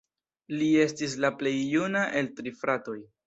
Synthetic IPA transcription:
lie̞stis̬laple̞jːunaʔe̞ltɾifɾato̞j

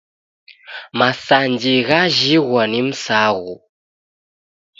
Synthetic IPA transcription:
masand͡ʒiɣaʒiɣwanim̩saɣu

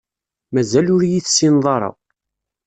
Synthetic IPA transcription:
mæzælʊɾjiθsinðˤɑɾˤɑ̰

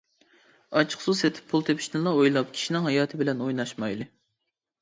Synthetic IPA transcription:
ɑt͡ʃʰqsuset̪ʰɪ̥pʰːulˠt̪ʰepʰi̥ʃnɨlˠɑojlˠɑp̚kʲʰi̥ʃinɪŋɦɑjɑːt̪ʰɨbɪlɛnojnɑʃmɑjlˠɨ

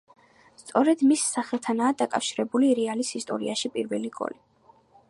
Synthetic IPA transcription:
st̪sʼɔɾɛd̪misːaχɛlˠt̪ʰanaːd̪akʼafʃiɾɛbuliɾɛalisist̪ʼɔ̰ɾḭaʃipʼiɾvɛ̰liɡɔ̰li

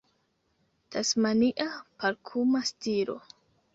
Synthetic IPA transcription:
d̥asmaniʔapaɾkʰumastiɾo̞̰

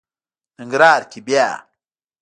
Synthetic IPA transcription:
iŋɡɾaɾkibia̰

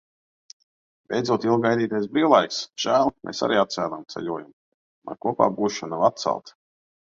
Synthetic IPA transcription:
bʲejd̪zuɔt̪ilˠɡajd̪iːt̪ʲiɛs̬biːlˠajksʒ̥æːlˠmʔḛːsa̰ɾiːat̪t̪sʲæːnamt̪sɛ̰ʎʲuɔjam | ma̰kuɔpa̰ːbuːʃanavat̪̚t̪sa̰lˠt̪

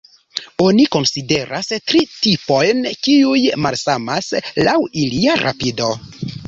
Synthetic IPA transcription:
o̞niko̞nside̞ɾʔastɾitipo̞jnkiujmalsamaslawiliaɾʔa̰pido̞

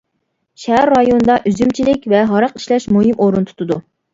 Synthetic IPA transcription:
ʃæɦæɾːɑjonɨd̪ɑʔyzymt͡ʃʰilɪkʲvɛɦɑɾɑqi̥ʃlɛʃmuɦimʔoɾunt̪ʰu̥t̪ʰʊd̪u

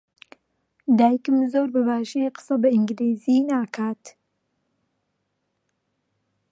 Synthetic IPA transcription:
d̪aːjikɨmzoːɾbəβaːʃeqə̥sɐbɐɪŋɡɾeːziːnaːkʰaːt̪

